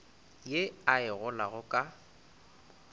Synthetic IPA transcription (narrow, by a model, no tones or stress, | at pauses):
jeaɪɣʊlaɣʊkʼa